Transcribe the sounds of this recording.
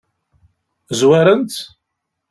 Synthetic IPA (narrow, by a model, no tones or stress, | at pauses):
zwaɾənt̪